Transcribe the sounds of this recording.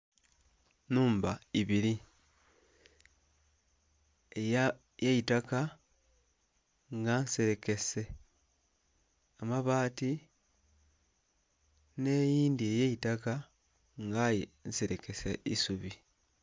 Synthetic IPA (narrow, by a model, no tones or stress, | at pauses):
nuːmbaiβiɾi | e | jejitaka | ŋɡanseɾe̞ke̞se̞ | amaβaːti | ne̞ːjiːndiejejitaka | ŋɡajenseɾe̞ke̞sḛḭsuβi